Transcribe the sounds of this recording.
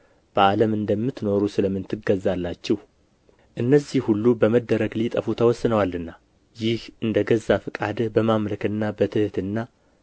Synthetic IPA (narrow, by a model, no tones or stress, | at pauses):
b̥əaləmɨnd̪əmːɨt̪no̞ɾusɨləmːɨnt̪ʰɨɡəzːalːat͡ʃːɛh | ʔɨnːəzihhulːubəməd̪ːəɾəɡlit̪ʼəfut̪ʰəwɔsːɨnəwalɨnːa | jɪhʔɨnd̪əɡəzːafɨkʼad̪bəmamləkɨnːabət̪ʰɨht̪ɨnːa